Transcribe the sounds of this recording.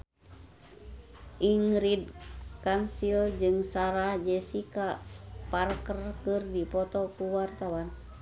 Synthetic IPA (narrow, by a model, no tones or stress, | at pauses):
ʔiŋɾid̚kansild͡ʒɨŋsaɾahd͡ʒɛsikaparkərkɨrdipɔt̪ɔkuwart̪awan